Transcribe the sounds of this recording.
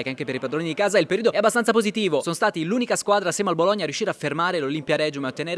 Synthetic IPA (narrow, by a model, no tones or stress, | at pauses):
ekaŋkepeɾipad̪ɾoːnid̪ikaːzailpeɾiːd̪oɛabːast̪ansapozit̪iːvosonost̪aːt̪iluːnikaskwaːd̪ɾasjɛmealboloɲːarːjuʃːiːɾeafermaːɾelolimpjaɾɛd͡ʒumeaot̪ːeneːɾe